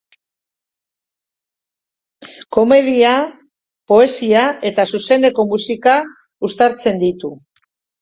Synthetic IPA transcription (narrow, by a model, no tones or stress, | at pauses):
ko̞me̞ðia | po̞e̞siae̞t̪asuse̞ne̞ko̞musika | ust̪aɾt͡se̞nd̪it̪u